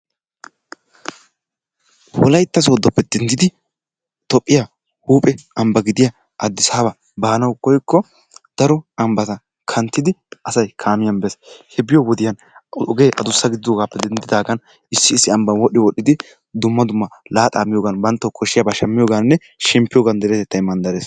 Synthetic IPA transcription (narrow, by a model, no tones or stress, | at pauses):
wɔ̰lɐjt̪ːɐs̬oːd̪ːɔpːɛd̪̥ɛnd̪ɪd̪ɪ | t̪ɔpʼːɪja | huːpʼɛʔɐmbɐɡɪd̪ɪjɐ | ʔɐd̪ːɪsaːbɐ | baːnɐwkɔjkːɔ | d̪̥ɐɾɔɐmbɐt̪ɐ | kʰɐnt̪ːɪd̪ɪɐsɐjkʰaːmɪjɐnbɛshɛbɪjɔwɔd̪ɪjɐn | ɔɡe̞ːʔɐd̪ʊsːɐɡɪd̪ɪd̪oːɡaːpːɛd̪ɛnd̪ɪd̪aːɡɐn | ɪsːɪːsːɪɐmbɐnwɔɗːɪwɔɗːɪd̪ɪ | d̪ʊmːɐd̪ʊmːɐlaːt̪ʼaːmːɪjoːɡɐnbɐnt̪ːɔkʰɔʃːɪjɐbɐʃɐmːɪjoːɡanːɛ | ʃɛmpːɪjoːɡɐnd̪ɛɾɛt̪ɛt̪ːɐjmɐnd̪ɐɾeːs